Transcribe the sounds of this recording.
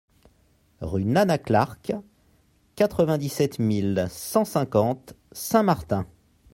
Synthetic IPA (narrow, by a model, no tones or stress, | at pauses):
ʁynanaklaʁk | kat̪χəvɛ̃d̪isɛt̪milsɑ̃sɛ̃kɑ̃t̪ | sɛ̃maʁt̪ɛ̃